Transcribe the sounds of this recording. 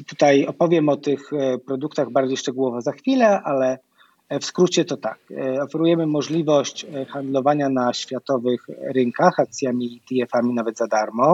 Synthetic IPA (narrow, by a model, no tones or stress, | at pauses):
t̪ut̪ajɔpɔvʲjɛmɔt̪ɘxpɾɔd̪ukt̪aɣbaɾd͡ʑejʂt͡ʂɛɡuwɔvɔzaxfʲilɛʔalɛ | fskɾut͡ɕɛt̪ɔt̪akɔfɛɾujɛmɘmɔʐlʲivɔɕt͡ɕxand̪lɔvaɲanaɕfʲjat̪ɔvɘxɾɘŋkaxak̚t̪sʲjamʲiːt̪iɛfamʲinavɛt̪zad̪aɾmɔ